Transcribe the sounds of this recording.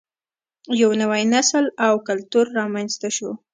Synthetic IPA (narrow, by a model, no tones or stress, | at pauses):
jawnawajnaslawkalt̪uɾːɑmanzt̪aʃo